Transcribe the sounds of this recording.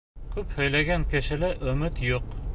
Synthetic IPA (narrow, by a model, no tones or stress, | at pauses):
kʉphɵ̆jlæɡæŋkɘ̆ʃɘ̆lɘʔɵ̆mɘt̪juq